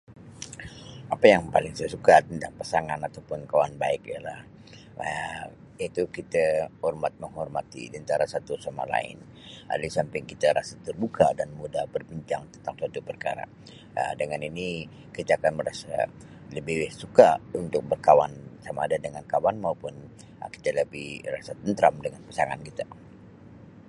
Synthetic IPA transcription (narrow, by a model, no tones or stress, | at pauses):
apajaŋpalɪŋsajasukat̪ənt̪aŋpasaŋanat̪awpʊnkawanba̰ɪkjala̰h | ə | it̪ukit̪ahɔrmat̪̚məŋɦɔrmat̪ḭdənt̪aɾasat̪usama̰la̰ɪ̰n | a̰lisampɪŋkit̪aɾasat̪ərbukadanmudabərbiɲt͡ʃaŋt̪ənt̪aŋsat̪upərka̰ɾa̰ | ə̰dəŋanini | kit̪aːkanməɾasa | ləbiwɪhsukaunt̪ʊk̚bərkawansamaːdadəŋankawanmaupʊn | ki̥t̪aləbɪhra̰sat̪ənt̪ɾamdəŋanpḁsaŋa̰nkit̪a